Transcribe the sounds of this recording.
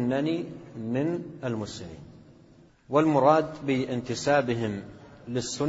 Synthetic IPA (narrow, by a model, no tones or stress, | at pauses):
nːanimɪnalmʊsɪmḭːn | wɪlmʊɾˤɑːd̪bɪʔɪnt̪ɪsaːbɪɦɪmlɪsːʊ